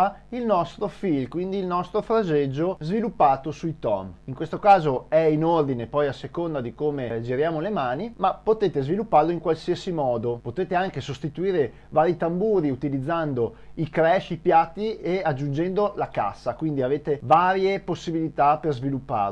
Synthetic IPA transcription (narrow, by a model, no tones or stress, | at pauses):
ilnɔst̪ɾofilkwind̪iːlnɔst̪ɾofɾad͡ʒed͡ʒːozvilupːaːt̪osuit̪ɔ̰miŋkwest̪okaːzoɛinord̪inepɔjasekond̪ad̪ikoːmed͡ʒiɾjaːmolemaːnimapːot̪eːt̪ezvilupːarloiŋkwalsiasimɔːd̪opot̪eːt̪eaŋkesost̪it̪uiːɾe | vaːɾit̪ambuːɾiut̪ilid̪zːand̪o | ikɾɛʃipjat̪ːiead͡ʒːund͡ʒɛnd̪olaka̰sːakwind̪iaveːt̪evaːɾjeposːibilit̪aperzvilupːa̰r